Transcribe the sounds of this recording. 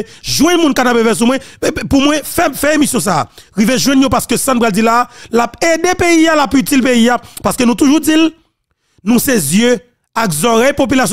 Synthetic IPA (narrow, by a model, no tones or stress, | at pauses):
ʒwɛ̃nmũnkanapevɛs̬umwɛ̃pumw̃ɛ̃fɛfɛemisjɔ̃s̬a̰ːɣiveʒw̃ɛ̃njopaskøsãtnpɣald͡zilalapedepeialapyt͡silpeijapaskønũt̪uʒud͡zil | nũsezjø | akzɔɣepop̬ylas